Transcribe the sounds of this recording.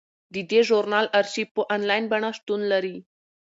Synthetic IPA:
d̪id̪eʒoɾnɑlaɾsipəʔanlɑjnbaɳaʂt̪unlaɾi

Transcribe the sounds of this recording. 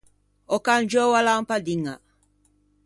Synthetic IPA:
ɔkand͡ʒɔwalampadiŋa̰

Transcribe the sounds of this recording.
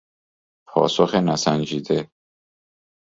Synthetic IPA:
pʰɒ̰ːsoxenæsænd͡ʒiːd̪e

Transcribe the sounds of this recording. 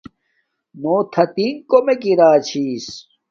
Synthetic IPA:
noːt̪ʰɐt̪inkomekiɾaːt͡ɕʰiːs

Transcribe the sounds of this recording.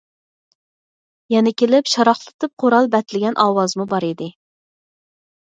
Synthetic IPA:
jɛnɪkʲelɪpʃɑɾɑχlˠɨt̪ʰɨp̚qʰoɾɑlˠbɛt̪lɪɡʲɛnʔɑːwɑzmubɑɾid̪ɪ

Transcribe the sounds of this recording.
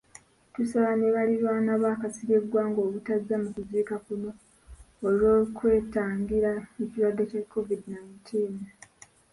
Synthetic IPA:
tusaβaneβaliɾwaːnaβaːkasiɡe̞ɡwaːŋɡo̞ːβutazːamukuziːkakuno̞ː | lioːkwe̞ːtaːŋɡiɾaeciwadːecakːo̞vidinajntʰiːn

